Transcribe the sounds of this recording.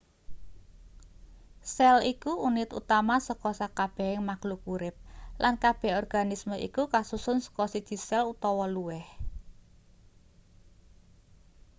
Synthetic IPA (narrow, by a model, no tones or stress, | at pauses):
sɛlikuunɪt̪ṵt̪amasəkɔsakab̥ɛ̤hɪŋmaklukuɾɪp̚lankab̥ɛ̤ɔrɡ̥a̤nisməḭkukasusʊnsə̥kɔsid̥d̪̥i̤sɛlut̪ɔwɔluwɛh